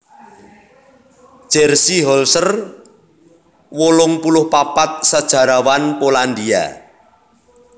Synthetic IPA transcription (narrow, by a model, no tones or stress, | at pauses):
d̥ʒ̥ɛrsiɦɔlsər | wolʊŋpulʊhpapat̪̚sad̥ʒ̥a̤ɾawanpoland̪ia̰